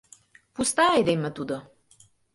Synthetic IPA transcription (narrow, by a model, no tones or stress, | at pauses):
pust̪ajd̪ɛjmɛt̪ud̪ə